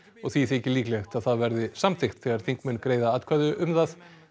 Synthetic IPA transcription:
ɔɣθiθehcːɪliːklɛxt̪aðθaðvɛɾðɪsamt̪ʰɪxt̪θɛːɣaɾ̥θiŋkmʏnkɾeːjðaat̪kʰvaðʏʔʏmθað

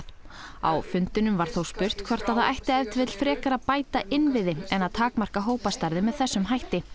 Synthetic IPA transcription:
a̰wfʏnt̪ɪnʏmvaɾ̥θowspʏr̥t̪kʰvɔr̥t̪aθaʔajht̪ɪɛvt̪vɪt̪l̥fɾɛːkaɾaðpaːjt̪aʔɪnvɪðɪɛnaðt̪ʰaːkmar̥kaɦoːwpast̪aɾðɪmɛðθɛsːʏmɦajht̪ɪ

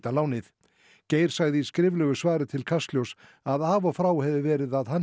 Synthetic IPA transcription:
t̪alaːwnɪθ | ceːjɾ̥saɣðɪiskɾɪːvlœɣʏsvaːɾɪt̪ʰɪlkʰast̪ljows | aðaːvɔfɾaːwhɛvɪvɛːɾɪðaðhan

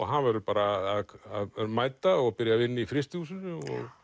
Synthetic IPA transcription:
ɔɦanvɛɾʏpaːɾaðaðaðmaːjt̪aɔɣapɪɾjavɪnːɪifɾɪst̪huːsʏnʏɔ̰ɣ

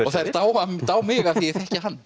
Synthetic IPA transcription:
ɔɣθaðɛɾt̪aːwat̪aːwmɪːɣaθiɛɾθɛhcɪɦanː

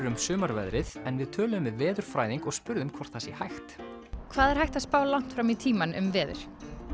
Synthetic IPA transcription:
ɾʏmsʏːmaɾvɛ̰ðɾɪðɛnvɪðt̪ʰœːlʏʏmvɪðvɛːðʏɾ̥fɾaːjðiŋkɔɣspʏɾðʏmkʰvɔr̥t̪θasɛhajxt̪ | kʰvaːðɛɾ̥hajht̪aðspaːwlan̥t̪fɾamit̪ʰiːmanʏ̰mvɛːðʏ̰ɾ̥

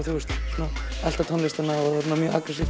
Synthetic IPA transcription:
θuːʏst̪suna | ɛl̥t̪at̪ʰɔnlɪst̪anaɔðaɾunamjœːʔa̰kɾɛsif

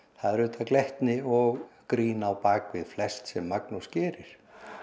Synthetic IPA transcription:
θaðɛɾʏːt̪aklɛht̪nɪɔɣkɾiːnaːwpaːkvɪðflɛst̪sɛmːaknuscɛːɾɪɾ̥

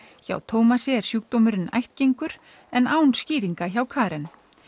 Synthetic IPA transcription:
ça̰ːwt̪ʰoːwmasɛɛɾ̥sjuk̚t̪oːmʏɾɪnːa̰jht̪̚cejŋkʏɾ̥ | ɛnaːwnsciːɾiŋkaçawkʰaːɾɛn

